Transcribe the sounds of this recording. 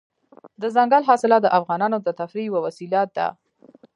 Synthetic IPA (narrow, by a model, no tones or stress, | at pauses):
d̪əzaŋɡalɦɑsɪlɑd̪əʔafɣɑnɑnod̪ət̪afɾiwəwasilɑt̪̚d̪a̰